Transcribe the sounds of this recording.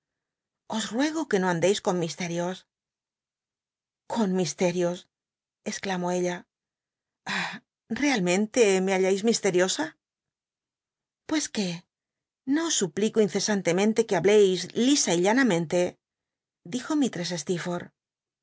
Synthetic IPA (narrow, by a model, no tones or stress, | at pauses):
o̞srwe̞ɣ̞oke̞no̞ãnd̪e̞jsko̞nmist̪e̞ɾjos | kʰo̞nmist̪e̞ɾjo̞s | esklamo̞e̞ʎa | a | re̞almẽ̞nt̪e̞me̞aʎajzmist̪e̞ɾjo̞sa | pwe̞ske̞ | no̞osːuplikoinθe̞sant̪e̞mẽ̞nt̪e̞keaβle̞jzlisaiʎanamẽnt̪e̞ | d̪ixo̞mit̪ɾe̞s̬e̞st̪ifoɾ